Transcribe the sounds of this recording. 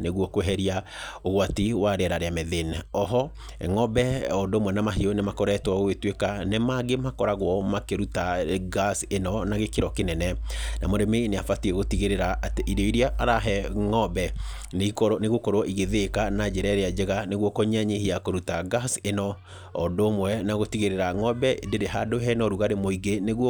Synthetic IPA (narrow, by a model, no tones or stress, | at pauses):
neɣwɔkwɦɛɾiaoɣwatiwaɾeɛɾaɾeamɛðenɛɔɦɔ | ŋɔbɛɔdomwɛnamaɦiɔnemakoɾɛtwaɣwetwekanemaɡemakɔɾaɣwɔmakeɾutaɡasenɔnaɣekeɾɔkenɛnɛnamoɾemeneafatiɛɣotiɣeɾeɾaateʔiɾɔiɾiaʔaɾaɦɛŋɔbɛ | neikɔneɣokɔɾwɔʔiɣeðekanad͡ʒɛɾɛɾead͡ʒeɣaneɣwɔkoɲaɲehiakoɾutaɡasenɔ | ɔdoːmwɛnaɣotiɣeɾeɾaŋɔbɛdeɾeɦadoɦɛnɔɾuɣaɾemoiɡeneɣwɔ